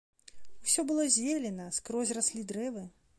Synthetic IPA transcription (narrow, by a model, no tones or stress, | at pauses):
wsʲɔbɨlˠɔzʲelʲɛnɐskɾɔzʲrasʲlʲid̪ɾɛvɨ